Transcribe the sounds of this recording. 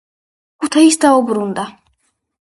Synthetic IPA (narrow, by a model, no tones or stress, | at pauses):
kut̪ʰaisd̪aubɾund̪a